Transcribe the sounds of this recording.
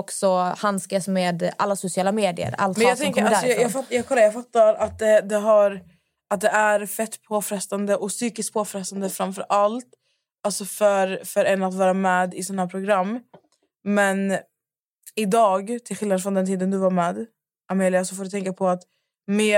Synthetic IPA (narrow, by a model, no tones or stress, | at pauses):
ɔksɔhanskasmeːd̪a̰lːasʊsɪɑːlameːd̪ɪ̰ə̰ɾa̰lt̪mɛnjɑɡt̪ʰɛŋkʰəɾasɔjjɑːɡfajɑːɡkʰɔlːajɑːɡfat̪ːaɾat̪̚d̪ɛd̪ɛɦaɾ | at̪̚d̪ɛæɾfɛt̪ːpʰoːfɾɛst̪and̪əʔɔsyːkɪsk̚pʰoːfɾɛst̪and̪əfɾamfœɾʔalt̪ | alsɔfœɾfœɾɛnat̪vɑːɾamɛːd̪ɪsɔnahaæɾpʰɾʊɡɾamː | mɛn | ɪd̪ɑːɡt̪ʰɪlɧɪlnad̪fɾɔnd̪ɛnt̪iːd̪ənd̪ɵvaɾmɛːd̪ | ameːlɪasɔfoːd̪t̪ʰɛŋkapʰɔat̪ | meː